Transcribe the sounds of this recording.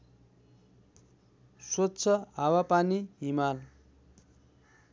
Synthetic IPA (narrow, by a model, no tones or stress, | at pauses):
swott͡sʰʌawapaniɦimal